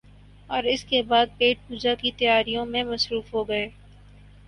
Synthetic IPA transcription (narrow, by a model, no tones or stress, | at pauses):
ɔːɾɪskebaːd̪̚peːʈ̚puːd͡ʒakit̪ɐjaːɾijõmẽmɐsɾuːfɦoɡɐeː